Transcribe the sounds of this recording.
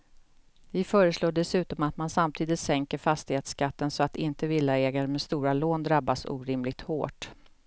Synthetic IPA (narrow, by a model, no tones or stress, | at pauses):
vɪfœːɾəsloːɖɛsʉ̟ːt̪ɔmat̪mansamt̪ʰiːd̪ɪt̪sɛŋkəɾfast̪ɪheːt̪skat̪ːənsɔat̪ɪnt̪əvɪlːaɛːɡaɾəmɛst̪uːɾaloːnd̪ɾabːasṵːɾɪmlɪɡ̚t̪ho̰ːʈ